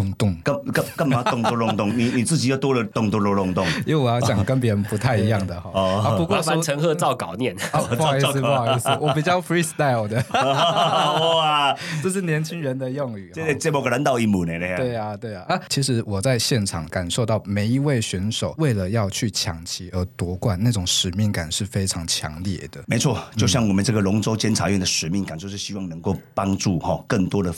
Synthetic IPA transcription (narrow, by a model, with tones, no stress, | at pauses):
ʊ˧ŋt̪ʊ˥˩ŋkə˥˨kə˥˨kə˥˩ŋma˨˦t̪ʊ˥˧ŋt̪ɔ˥lʊ˥˩ŋt̪ʊ˥˩ŋni˨˩ni˨˩t͡sɹ̩˥˩t͡ɕi˨˦jo˥˧t̪wɔ˥lə˨t̪ʊ˥˧ŋt̪ɔ˥˧lo˧˥lʊ˥˧ŋt̪ʊ˥˨ŋi˥we˧˩wɔ˨˩jɑ˥˩ɕjɑ˨˩ŋkə˧˦np̬jɛ˧˥ɻə˧npu˧˦˥t̪ʰa˥˧ɪi˧˥jɑ˥˩ŋd̪ə˩xɔ˧˦ɔ˧˥pu˧˥kwɔ˥˧a˥˦˥ə˧˥ŋxɤ˥˧t͡sɑ˥˩ʊkɑ˨˩ʊnjɛ˥˨nɔ˧˩˧pa˥˧i˥˧s̩˥˧pɑ˧˥˧s̩˥˩wɔ˦˧˥p̬i˨˩t͡ɕjɑ˥˩ʊfɹi˥st̪a˥ɪld̪ə˨ | ɔ˩a˨ʈ͡ʂo˥˧ʂɻ̩˥˩njɛ˧˥nt͡ɕʰi˥ŋɻə˧˦nd̪ə˨jɔ˥˧ŋy˨˩˥e˥˧t͡sə˥˩mo˨˩ɡə˧ɻə˧˦nt̪ɑ˥˧ʊi˥˩mu˨˩ne˨ne˨˧we˥˩ɪa˨t̪we˥˩ɪa˨˩a˥˩t͡ɕʰi˧˥ʂɻ̩˧˥wɔ˨˩t͡sa˥˧ɪɕjɛ˥˩nʈ͡ʂʰɑ̰˨˩ŋka˨˩nʂo˥˧ʊt̪ɑ˥˩ʊme˨˧˦ɪi˧˥we˥˩ɪɕɛ˧˥nʂo˨˩˦ʊwe˥˩ɪlə˩jɑ˥˧ʊt͡ɕʰy˥˩t͡ɕʰjɑ̰˨˥ŋt͡ɕʰi˧˥ə˧˥t̪wɔ˧˥kwa˥˩nna˥˩ʈ͡ʂʊ˨˩ŋʂɻ̩˨˩mi˥˩ŋka˨˩nʂɻ̩˥˩fe˥ɪʈ͡ʂʰɑ˧˥ŋt͡ɕʰjɑ̰˧˥ŋljɛ̰˨˩d̪ə˦me˧ɪt͡sʰwɔ˥˩˨t͡ɕo˥˧ʊɕjɑ˥˩ŋwɔ˨˩mə˨nʈ͡ʂə˥˩ɡə˨lʊ˧˥ŋʈ͡ʂo˥ʊt͡ɕjɛ˥nt͡sʰa̰˧˥ɥɛ˥˩nd̪ə˨˩ʂɻ̩˨˩mi˥˩ŋka˨˩nt͡ɕjo˥˧ʊʂɻ̩˥˩ɕi˦˥wɑ˥˩ŋnə˧˥ŋko˥˩ʊpɑ˥ŋʈ͡ʂu˥˨hɔ˨˩kə˥˩ŋt̪wɔ˥d̪ə˨